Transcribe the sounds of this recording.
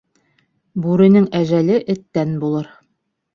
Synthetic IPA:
bʉɾɘ̆nɘŋæʒælɘʔɘ̆t̪ːænbulˠɤɾ

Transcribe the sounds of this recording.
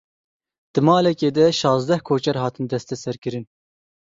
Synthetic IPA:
d̪̥ɨmɑːlɛkeːd̪ɛʃɑːzd̪ɛhkʰoːt͡ʃɛɾɦɑːt̪ʰɨnd̪ɛst̪ɛsɛɾkɨɾɨn

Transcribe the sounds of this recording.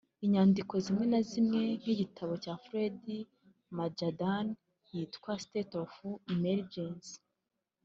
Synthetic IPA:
iɲaːndiko̞zimŋe̞nazimŋe̞n̥iɟitʰaβo̞caːfɾedi | mad͡ʒadan | jitkwastetofuimeɾd͡ʒensi̥

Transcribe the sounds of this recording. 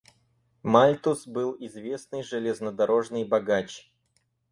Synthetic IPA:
malʲt̪usbɨlˠɪzvʲesnɨjʐɨlʲeznəd̪ɐɾʔo̞ʐnɨjbɐɡat͡ɕ

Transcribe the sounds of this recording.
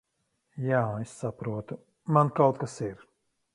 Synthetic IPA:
jaːesːapɾuɔt̪u | mankawt̪̚kasiɾ

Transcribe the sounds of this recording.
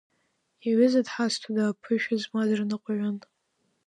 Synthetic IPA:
aɥɪzadħastʰadaːpʰɨʃᶣazmadrnɨqʷʼaɥʷan

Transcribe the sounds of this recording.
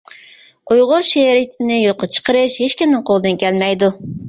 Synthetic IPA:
ujʁʊɾʃeɾɪt̪ʰɪnɪjoqət͡ʃʰə̥qəɾɨʃheʃkʲimnɨŋqʰolˠɨd̪ɨnkʲʰɛlmɛjd̪u

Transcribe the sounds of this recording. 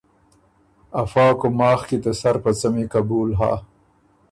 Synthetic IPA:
afɑːkomɑːxkid̪əsaɾpət͡samekabuːlɦa̰ː

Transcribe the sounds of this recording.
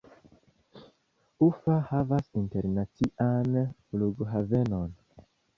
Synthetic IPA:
ufahavasinteɾnat͡siʔanfluɡɦavenon

